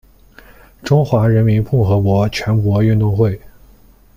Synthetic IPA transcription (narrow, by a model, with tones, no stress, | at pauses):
ʈ͡ʂʊ˥ŋxwa˧˥ɻə˧˥nmi˧˥npʰʊ˥˩ŋxɤ˧˥kwɔ˧˥t͡ɕʰɥɛ˧˥nkwɔ˧˥y˥˧nt̪ʊ˥˧ŋxwe˥˩ɪ